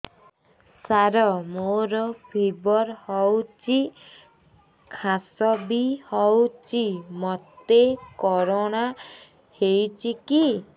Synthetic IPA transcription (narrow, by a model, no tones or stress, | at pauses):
saɾɔmoɾɔbʱibɔɾhɔwt͡ʃi | kʰasɔbihɔwt͡ʃimɔt̪ekɔɾɔña | hejt͡ʃiki